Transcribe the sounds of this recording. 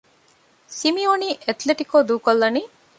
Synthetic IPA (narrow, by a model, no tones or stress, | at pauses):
simioniːʔet̪leʈikoːd̪uːkolːɐniː